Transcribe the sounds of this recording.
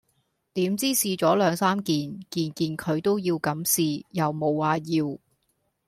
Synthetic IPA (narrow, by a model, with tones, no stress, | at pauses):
t̪iː˨˥mt͡siː˥siː˧t͡sɔː˨˥lœː˨˧ŋsaː˥mkiː˨nkiː˨nkiː˨nkʰɵ˨˧ɥt̪o˥wjiː˧wkɐ˨˥msiː˨˧jɐ˨wmo˨˧waː˨˧jiː˧w